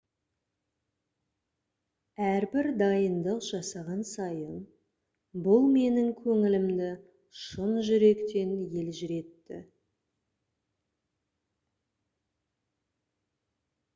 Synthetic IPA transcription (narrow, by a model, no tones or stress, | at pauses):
æɾbɪɾd̪ɑjənd̪əqʒ̥ɑsɑʁɑnsɑjən | bʊlˠme̞nɪŋkʲʰɵŋɪlɪmd̪ɪ | ʃənʒʏɾe̞kt̪e̞nje̞lʒʏɾe̞t̪ːɪ̰